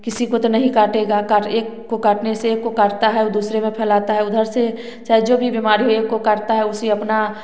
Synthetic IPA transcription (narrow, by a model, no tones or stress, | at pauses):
kɪsikot̪onɐɦĩkaːʈeɡakaʈeːkːokaːʈneseeːkːokaːɾt̪aɦɛd̪uːsɾemẽpʰɛːlaːt̪aɦɛʊd̪ʱəɾse | sɛd͡ʒobʱibimaːɾiɦoeːkːokəɾt̪aɦɛʊsiɐpna